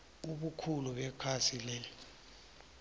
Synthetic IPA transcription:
uɓukʰuluɓɛkʰasilɛ

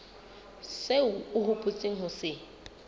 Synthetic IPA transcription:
seʊʊhʊpʼʊt͡sʼeŋ̩ɦʊsɪ

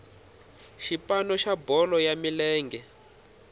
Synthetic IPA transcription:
ʃipanɔʃabɔlɔjamilɛːŋɡɛ

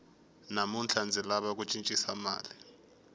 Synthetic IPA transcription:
namunt͡ɬʰand͡zʱilaɓak̬ut͡ʃʼint͡ʃʼisama̰ːli

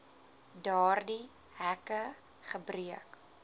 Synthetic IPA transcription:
dɑːrdi | hækə | χəbriək

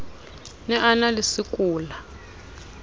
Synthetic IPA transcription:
nɛʔanalisikʼuːla

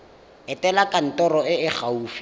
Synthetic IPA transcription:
ɛtʼɛlakʼan̩tʼɔɾɔɪɪk͡xauːfi

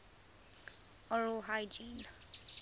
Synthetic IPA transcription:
ɔɹoɦajd͡ʒin

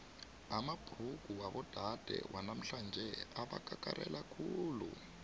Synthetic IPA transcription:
amab̥ʱruɡuwaβɔd̥ʱad̥ʱɛ̰wʔanam̩ɬand͡ʒʱɛaβakʼakʼaɾɛlakʰuːlṵ

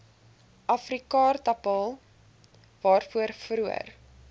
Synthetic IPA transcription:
ʔɐfrikɑːrtɐpɑlˠ | vɑːrfuərfɾuə̰r

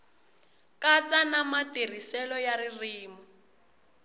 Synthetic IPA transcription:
kat͡sʼanamatir̤isɛlɔjaririːmu

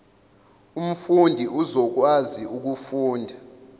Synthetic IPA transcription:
um̩fundʱiʔuzɔk̬waziʔuk̬ufuːndʱa

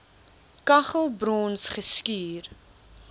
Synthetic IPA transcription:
kɐχəlˠbrɔːnsχəskiːr

